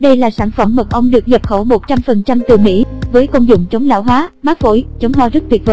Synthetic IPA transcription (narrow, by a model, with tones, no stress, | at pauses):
ɗə˧jlaː˨˩saː˧˩nfə˧˩mːə˨˩t̚ʔə˧wŋ͡mɗɨ˨˩ək̚ɲə˨˩p̚xə˧˩wmo˨˩t̚t͡ɕa˧mfə˨˩nt͡ɕa˧mt̪ɨ˨˩mḭ˧˥vəː˨˦jko˧ŋ͡mzʊ̰˧˨ŋ͡mt͡ɕə˨˦wŋ͡mla̰ː˧˥wɦwaː˨˦maː˦˥k̚vo̰˧˩jt͡ɕə˨˦wŋ͡mɦɔ˧zə˦˥t̚t̪wi˨˩t̚və̰˧˨˦